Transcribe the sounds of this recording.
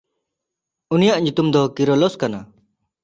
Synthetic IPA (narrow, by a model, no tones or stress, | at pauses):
unijaʔɲut̪umd̪ɔkiɾɔlɔskana